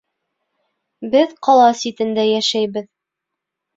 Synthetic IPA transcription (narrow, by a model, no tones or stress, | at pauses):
bɘðqɑlˠɑsit̪ɘ̆nd̪æjæʃæjbɘð